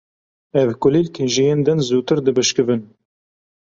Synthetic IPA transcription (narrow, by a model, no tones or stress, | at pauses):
ɛvkʊliːlkʰɨnʒijeːnd̪ɨnzuːt̪ɨɾd̪ɨbɨʃkɨvɨn